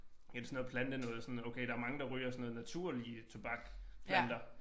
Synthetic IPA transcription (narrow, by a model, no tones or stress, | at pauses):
jæd̥esn̩ːˠpʰlænd̥ənɔ̽ːð̩ˠsɒ̽noʊkʰeɪɾ̥ɑ̈æɐmɑ̈ŋəd̥ɑ̈ʁyːɐsɔnɔ̽ːð̩ˠnæt͡sʰuɐ̰liət͡sʰob̥ɑ̈ɡ̥pʰlænd̥ɐ